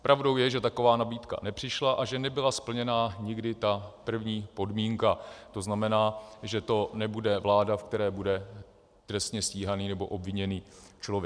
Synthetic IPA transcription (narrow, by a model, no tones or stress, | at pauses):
pɾʔavdo̞wjɛʒɛt̪ako̞vaːnabiːt̪ka̰nɛpr̝̥ɪʃlaʔaʒɛnɛbɪlaspl̩ɲɛnaːɲɪɡdɪt̪apr̩vɲiːpodmiːŋkat̪o̞znamɛnaːʒɛt̪o̞nɛbudɛvlaːdafkt̪ɛɾɛːbudɛ | t̪rɛst̪ɲɛsciːɦaniːnɛbo̞ʔo̞bvɪɲɛniːt͡ʃlovjɛ